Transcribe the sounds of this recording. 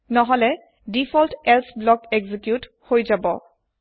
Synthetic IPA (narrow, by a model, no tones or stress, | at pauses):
nɔɦɔlɛ | dipʰɔltɛlsblɔkɛɡzikjut | hojzabɔ